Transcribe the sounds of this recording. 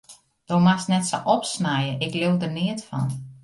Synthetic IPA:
d̥owmasnɛtsə̰ʔɔpsnajəʔɪklewdərnɪətfɔ̰n

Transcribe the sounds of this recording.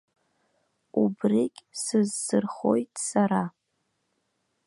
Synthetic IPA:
ubrikʲʼsɨzːɨrχo̞̰jtʼsaɾa

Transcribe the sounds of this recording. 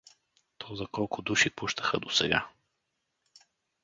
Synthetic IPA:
t̪ɔzɐkɔlˠkʊd̪uʃipuʃt̪əxəd̪osɛɡa̰

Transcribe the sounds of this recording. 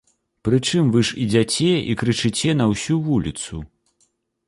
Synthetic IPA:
pɾɨt͡ʂɨmvɨʂid͡zʲat͡sʲɛḭkɾɨt͡ʂɨt͡sʲɛn̪ɐwsʲuvulʲit̪su

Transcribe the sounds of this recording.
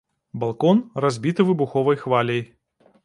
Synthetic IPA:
balˠkɔnrazʲbʲit̪ɨvɨbuxɔvɐjxvalʲɐj

